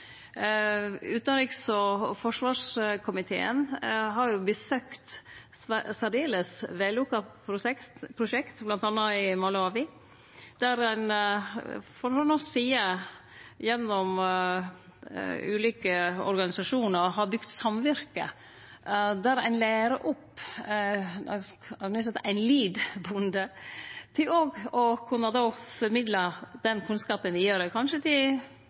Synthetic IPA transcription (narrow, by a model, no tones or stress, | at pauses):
ʉːt̪nɑɾiksɔfɔʂʋɑːʂkʰʊmɪt̪ʰḛːə̰nɦɑɾjʊbəsøːkt̪ | sæd̪eːləsʋɛlʊkːɑpɾʊɛkt̪pʰɾʊʃɛkt̪blɑnt̪ɑnːɑɪmʊlɑːʋɪ | d̪̥æɾæɪn | fɔɾhɔnɔsiːə | jɛnːɔm | ʉ̰ːliːkəɔ̰ɾɡɑnɪsɑʂuːnəɾɦɑɾbʉɡ̥t̪sɑmʋɪɾkə̰ | d̪æɾæ̰ɪnlæːɾəʔʊpː | nʉs̬ɛt̪æɪnliːd̪bʊnd̪ət̪ʰɪlɔɡɔkʰʉnːəd̪oːfɔɾmɪd̪ləd̪̥ɛnkʰʉnskɑːpənʋɪjøːɾəkʰɑnʃət̪ʰɪl